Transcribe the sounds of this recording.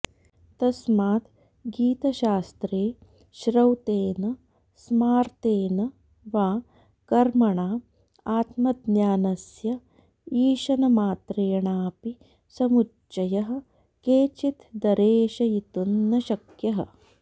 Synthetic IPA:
t̪ɐsmaːt̪ | ɡiːt̪ɐʃaːst̪ɾeː | ʃɾɐwt̪eːnɐ | smaːɾt̪eːnɐ | ʋaː | kɐɾmɐɳaː | aːt̪mɐd̪njaːnɐsjɐ | iːʃɐnɐmaːt̪ɾeːɐɳaːpi | sɐmu | t͡ʃːɐjɐɦɐ̆ | keːt͡ʃit̪d̪ɐɾeːʃɐjit̪unːɐʃɐkjɐɦɐ̰

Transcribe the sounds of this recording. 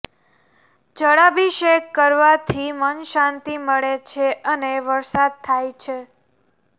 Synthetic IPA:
d͡ʒəɽabiʃekːəɾʋat̪ʰimənʃãnt̪iməɭet͡ʃʰeʔəneʋəɾsad̪̚t̪ʰajt͡ʃʰe

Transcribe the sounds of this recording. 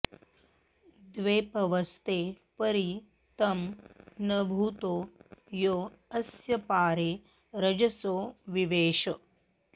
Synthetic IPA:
d̪ʋeːpɐʋɐst̪eː | pɐɾi | t̪ɐmnɐbʱut̪oːjoː | ɐsjɐpaːɾeː | ɾɐd͡ʒɐsoːʋiʋeːʃɐ

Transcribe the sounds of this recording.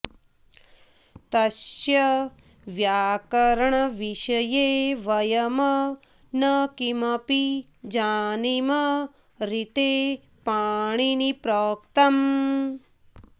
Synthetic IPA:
t̪ɐʃjɐ | ʋjaːkɐɾɐɳɐʋiʃɐjeːʋɐjɐmɐ | nɐkimɐpi | d͡ʒaːnimɐ | ɾit̪eː | paːɳ̃inipɾoːkt̪ɐm

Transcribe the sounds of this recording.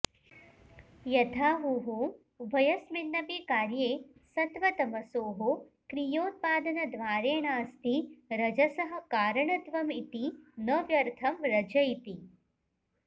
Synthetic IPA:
jɐt̪ʰaːɦuɦo | ʋʱɐjɐsminːɐbiːkaːɾjeːsɐt̪ʋɐt̪ɐmɐsoːɦo | kɾijoːt̪̚paːd̪ɐnɐd̪ʋaːɾeːɳaɐst̪iɾɐd͡ʒɐsɐɦɐ̆kaːɾɐɳɐt̪ʋɐmit̪inɐʋjɐɾt̪ʰɐmɾɐd͡ʒɐjt̪i

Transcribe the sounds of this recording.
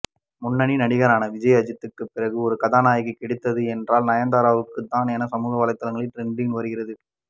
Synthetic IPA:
mʊnːɐɳinɐɽɪɣɐɾaːnɐʋɪd͡ʒɐjɐɐd͡ʒɪt̪ːɯkːɯpːɪrɐɣɯɔɾɯkɐðaːnaːjɣɯkɪɽɯt̪ːɐðɯɛndraːlnɐjɐnd̪aːɾaːʋɯkːɯt̪ːaːnɛnɐsɐmuːɣɐʋɐːlɐɪt̪ːɐlɐŋɡɐɭɪʈɾɛɳɖɪnʋɐɾɯɣɪrɐðɯ

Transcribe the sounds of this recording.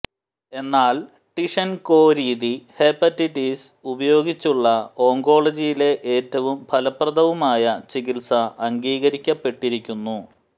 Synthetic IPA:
e̞nːaːl | ʈiʂɐnko̞ːɾiːðiheːpːɐtːiʈːis | ubɐjo̞ːɡit͡ɕːuɭːɐo̞ːŋɡo̞ːɭɐd͡ʑijile̞ʔeːtːɐʋumpʰɐlɐprɐd̪ɐʋumaːjɐt͡ɕikilsɐʔɐŋɡiːɣɐɾikʲːɐpːe̞ʈːiɾikʲːunːu

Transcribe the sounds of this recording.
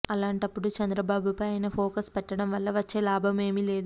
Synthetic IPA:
ɐlaːɳʈɐpːuɽut͡ʃɐnd̪ɾɐbaːbupɐjɐjnɐpʰoːkɐspɛʈːɐɽɐmʋɐlːɐʋɐt͡ʃːe̞ːlaːbʱɐme̞ːmile̞ːd̪u

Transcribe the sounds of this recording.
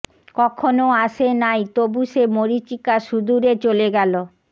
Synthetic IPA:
kɔkʰonoaʃenajt̪obuʃemoɾit͡ɕikaʃud̪uɾet͡ɕoleɡɛlo

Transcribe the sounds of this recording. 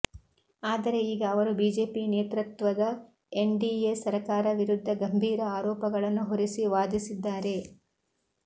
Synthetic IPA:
aːd̪ɐɾe̞iːɡɐːʋɐɾubiːd͡ʒe̞ːpineːt̪ɾɐt̪ʋɐd̪ɐ | eɳɖiesɐɾɐkaːɾɐʋiɾud̪ʱːɐɡɐmbʱiːɾɐaːɾɔːpɐɡɐɭɐnːuɦoɾisiʋaːd̪isid̪ːaːɾe̞

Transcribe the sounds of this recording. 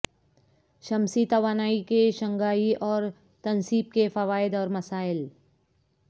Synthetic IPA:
ʃɐmsit̪ɐʋaːnaːikeʃɐ̃ŋɡaːiɔːɾ | t̪ɐnsiːb̚kefɐʋaːɪd̪ɔːɾmɐsaːɪl

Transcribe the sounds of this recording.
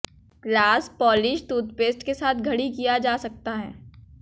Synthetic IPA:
klaːspɔːlɪʃʈ̪uːt̪̚peːsʈkesaːt̪ʰɡʱɐɽikijad͡ʒaːsɐk̚t̪aɦɛ̰ː

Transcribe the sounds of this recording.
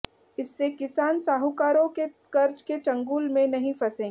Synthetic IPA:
ɪsːekɪsaːnsaːɦukaːɾõke | kɐɾt͡ʃket͡ʃɐ̃ŋɡuːlmẽnɐɦĩfɐsẽː

